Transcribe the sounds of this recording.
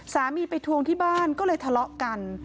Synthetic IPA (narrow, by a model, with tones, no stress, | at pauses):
saː˩˦miː˧pa˧jt̪ʰu˧əŋt̪ʰiː˥˩baː˥˩nkɔː˥˩lɤː˧jt̪ʰa˧lɔ˦˥ka˧n